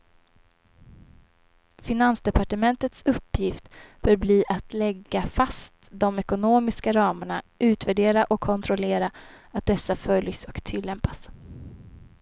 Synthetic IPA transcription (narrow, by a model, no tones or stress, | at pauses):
fɪnansd̪ɛpaʈəmɛnt̪ət̪sɵpːjɪft̪b̥œːɾbliːʔat̪ʰlɛɡːafast̪d̪ɔmɛkʊnoːmɪskaɾɑːməɳaʔʉ̟ːt̪væɖeːɾaʔɔkʰːɔnt̪ʰɾɔleːɾa | at̪̚d̪ɛsːafœljsɔkt̪ʰɪlːɛmpas